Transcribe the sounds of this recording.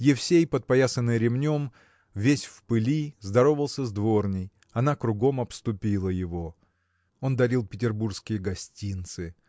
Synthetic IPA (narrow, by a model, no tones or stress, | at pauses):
jɪfsʲejpət̪̚pɐjasənːɨjɾʲɪmnʲo̞m | vʲesʲfpɨlʲizd̪ɐɾo̞vəlˠsʲəzd̪vo̞rnʲɪj | ɐnakɾʊɡo̞mɐpst̪ʊpʲilˠəjɪvo̞ | o̞nd̪ɐɾʲilˠpʲɪtʲɪrburskʲɪjəɡɐsʲtʲint̪sɨ